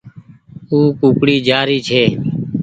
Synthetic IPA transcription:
uːkũːkɽiːd͡ʒaːɾiːt͡ʃʰeː

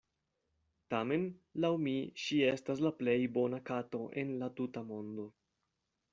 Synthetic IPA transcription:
tame̞nlawmiʃie̞stas̬laple̞jbo̞nakato̞ʔe̞nlatutamo̞ndo̞

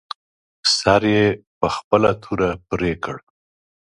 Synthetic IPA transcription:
saɾjepəxpəlat̪ʰuɾapɾekəɽ

